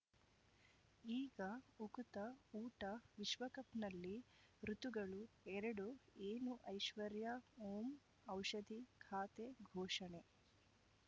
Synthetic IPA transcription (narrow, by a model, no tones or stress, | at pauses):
iːɡɐukut̪ɐuːʈɐʋiʃʋɐkɐpnɐlːi | ɾut̪uɡɐɭu | ɛɾɐɽueːnuʔɐjʃʋɐɾjɐoːm | ɐwʃɐd̪ʱikʰaːt̪eɡʱɔːʂɐne